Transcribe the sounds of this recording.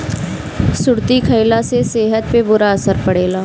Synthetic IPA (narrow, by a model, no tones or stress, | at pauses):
sʊɽt̪ikʰəjlaseseːɦət̪̚pebʊɾaəsəɾpəɽeːlaː